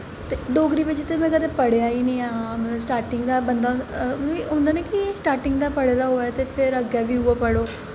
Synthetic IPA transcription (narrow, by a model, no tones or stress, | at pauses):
t̪eɖoːɡɾiːʋɪt͡ʃt̪emɛ̃ːkəd̪eːpəɽejaːiːnĩːaɦãːmət̪ləbsʈaːɾʈɪŋɡd̪aːbənd̪aː | ɦʊ̃ːnd̪aːnɛ̃ːkɪsʈaːɾʈɪŋɡd̪aːpəɽeːɾaːɦoːɛːt̪eːpʰɪɾəɡɛːʋiːɦʊaːpəɽoː